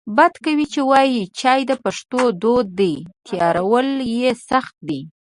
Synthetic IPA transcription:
bad̪kawit͡ʃewɑjit͡ʃɑjd̪əpaʂt̪od̪od̪ːijt̪jɑɾawəljesaxt̪̚d̪i

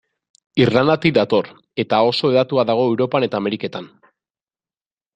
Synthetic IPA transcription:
irland̪at̪id̪at̪o̞r | e̞t̪ao̞so̞eðat̪uaðaɣ̞o̞e̞wɾo̞pane̞t̪aːme̞ɾike̞t̪an

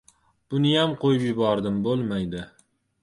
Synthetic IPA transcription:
b̥ʊnɪjamqʰojɪpjɪbɒɾd̪ɪmbolˠmajd̪ɪ

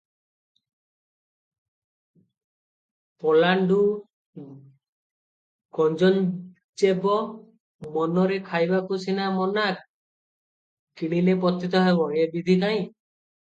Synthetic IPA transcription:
pɔlaɳɖu | ɡɔnd͡ʒɔn | t͡ʃebɔ | mɔnɔɾekʰajbakusinamɔnak̚ | kiɽ̃ilep̬ɔt̪ːit̪ɔɦebɔebid̪ʱikaĩ

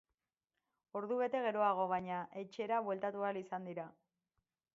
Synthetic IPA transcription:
o̞ɾðuβe̞t̪e̞ɣ̞e̞ɾo̞aɣ̞o̞β̞ajɲaʔe̞t͡ʃe̞ɾaβwe̞lt̪at̪ualisand̪iɾa

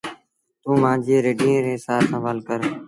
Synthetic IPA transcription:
t̪ũːmãːd͡ʒieːɾeːɖiːẽːɾeːsaːsə̃ʋaːlkəɾ

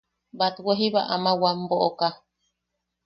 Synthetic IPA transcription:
bat̪weɦiβa̰ʔamawamboʔoka

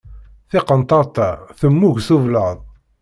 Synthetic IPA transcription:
θɪqənt̪ˤɑɾˤt̪æθəmːuʝsuvləðˤ

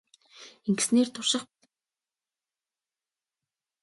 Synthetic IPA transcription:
eŋɡ̆sneːrt̪ʰʊrʃə̆χp

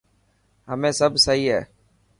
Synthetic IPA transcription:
ɦəmẽːsəbʱsəɦiːɦɛ̰ː

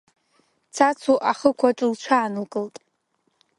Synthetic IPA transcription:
t͡sʰat͡sʰuʔaχəkʷʰaʈ͡ʂʼɨlt͡ʃʷʰaːnɨlkʼɨltʼ

